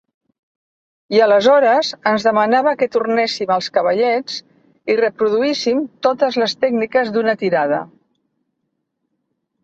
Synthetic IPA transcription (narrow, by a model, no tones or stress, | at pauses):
iələzɔɾəzənzðəmənaβəkət̪urnɛsiməlˠskəβəʎɛt͡s | irəpɾuðuisimt̪ot̪əzləst̪ɛɡnikəzðunət̪iɾað̞ə̰